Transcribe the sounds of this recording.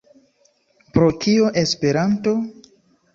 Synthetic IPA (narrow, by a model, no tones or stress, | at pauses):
pɾo̞kioʔespe̞ɾanto̞